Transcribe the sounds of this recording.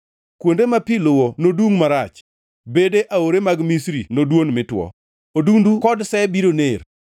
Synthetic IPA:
kwondemapilʊwonoduŋmaɾat͡ʃ | bedeʔaoɾemaɡmisɾinodwonmɪtwɔ̰ | odundukɔdsɛbiɾoner

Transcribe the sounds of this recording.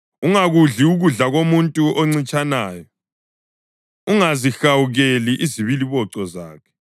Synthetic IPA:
uŋaɣuɮiuɣuɮaɣomuntʼuʔɔŋ͡ǀit͡ʃʼanaːjɔ | uŋazixawuɣeliʔiziβiliβɔǀɔzaːkʰɛ̥

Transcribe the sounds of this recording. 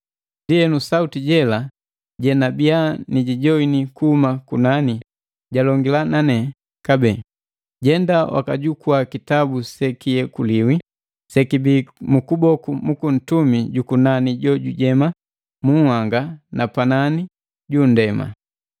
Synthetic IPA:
ndiɛnusautiɟɛla | ɟɛnabianiɟiɟɔinikuhumakunani | ɟalɔŋɡilananɛ | kabɛ | ɟɛndawa̰kaɟukuakitabusɛkijɛkuliwi | sɛkibiːmukubɔkumukun̩tumiɟukunaniɟɔɟuɟɛma | muŋhwaŋɡanapanani | ɟundɛma̰

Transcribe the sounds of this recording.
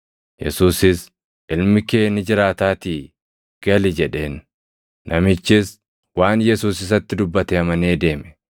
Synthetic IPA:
jɛ̰suːsɪs | ʔɪlmɪke̞ːnɪd͡ʒɪɾaːt̪aːt̪iː | ɡ̥ɐlɪd͡ʒɛᶑe̞ːnː | ɐmɪt͡ʃːɪs | waːnjɛsuːsɪs̬ɐt̪ːɪd̪ʊbːɐt̪ɛɐmɐneːd̪e̞ːmɛ̥

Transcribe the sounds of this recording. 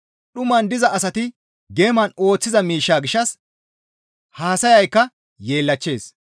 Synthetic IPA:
ɗʊmɐnd̪ɪzɐʔɐsɐt̪ɪ | ɡeːmɐno̞ːt͡sːɪzɐmiːʃːaːɡɪʃːɐs | haːsɐjɐjkːɐ | je̞ːlːɐt͡ʃːe̞ːs

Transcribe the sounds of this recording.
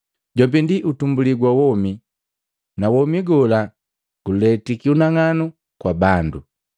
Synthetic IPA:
ɟɔbindiʔutumbuliɡwawɔmi | nawɔmiɡɔla | ɡ̥ulɛtikiunaŋanu | kwabandu

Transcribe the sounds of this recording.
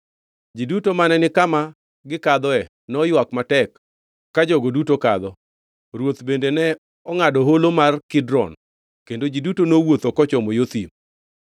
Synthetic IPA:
d͡ʒidutomanɛnɪkama | ɡɪkad̪ɔɛ | nɔjwakmatɛkː | ad͡ʒɔɡodutokad̪ɔ | ɾwot̪bendenɛ | ɔŋadɔɦolomarkɪdɾɔ̰n | kendod͡ʒidutonowot̪okɔt͡ʃɔmɔjot̪ḭm

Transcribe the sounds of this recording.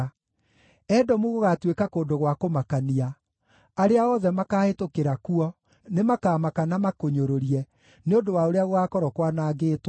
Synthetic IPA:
ɛdɔmuɣoɣatwekakoːndoɣwakomakania | aɾeaɔðɛmakaːhetokeɾakuɔ | nemakaːmakanamakoɲoɾoɾiɛ | neondowaoɾeaɣoɣakɔɾɔkwanaːɡeːt

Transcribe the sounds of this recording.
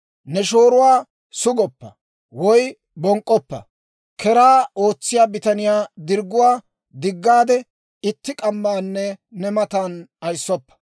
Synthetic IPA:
nɛʃoːɾʊwaː | sʊɡɔpːɐ̰ | wɔj | bɔŋkʼːɔpːɐ̰ | kɛɾaːo̞ːt͡sːɪjaːbɪt̪ɐnɪjaːd̪ɪɾɡːʊwaː | d̪ɪɡːaːd̪ɛ | ɪt̪ːɪkʼɐmːaːnːɛnɛmɐt̪aːnɐjsːɔpːɐ̥

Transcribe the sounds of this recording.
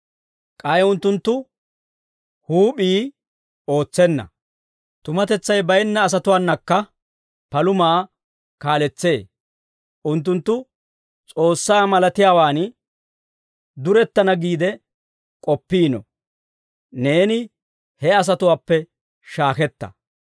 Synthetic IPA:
kʼɐjʊnt̪ːʊnt̪ːʊ | huːɓiː | o̞ːt͡sːɛnːɐ̰ | t̪ʊmɐt̪ɛt͡sːɐjbɐjɛnːɐːs̬ɐt̪ʊwaːnːɐkːɐ | pɐlʊmaː | kaːlɛt͡sːe̞ː | ʔʊnt̪̬ːʊnt̪ːʊ | t͡sʼo̞ːsːaːmɐlɐt̪ɪjaːwaːn | d̪ʊɾɛt̪ːɐnɐɡiːd̪ɛ | kʼɔpːiːnɔ̰ | ne̞ːnɪ | hɛɐs̬ɐt̪ʊwaːpːɛ | ʃaːkɛt̪ːɐ̰

